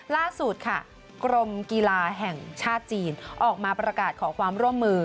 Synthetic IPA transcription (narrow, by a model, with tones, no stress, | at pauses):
laː˥˩su˨˩t̪̚kʰa˥˩ | kɾo˧mkiː˧laː˧ɦɛ˨˩ŋt͡ɕʰaː˥˩t̪̚t͡ɕiː˧nʔɔː˨˩k̚maː˧pɾa˧kaː˨˩t̪̚kʰɔː˩˦kʰwaː˧mɾu˥˩əmːɯː˧